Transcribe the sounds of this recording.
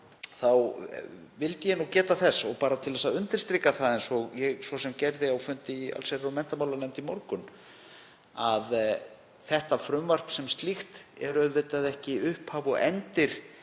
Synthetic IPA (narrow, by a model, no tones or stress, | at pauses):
θaw | vɪlt̪ɪjɛnuːcɛːt̪aθɛsːɔɣpaːɾat̪ʰɪlvɛsaʏnt̪ɪɾ̥st̪ɾiːkaθaðejnsɔɣjɛɣsvɔsɛmcɛɾðɪawfʏnt̪ɪa̰lseɾɔmɛn̥t̪amawlanɛmt̪imɔɾkʏn | að | θɛht̪afɾʏmvar̥psɛmst̪lixt̪ɛ̰ɾœɥðɪt̪aðɛhcɪʏhphaːvɔɣɛ̰nt̪ɪɾ̥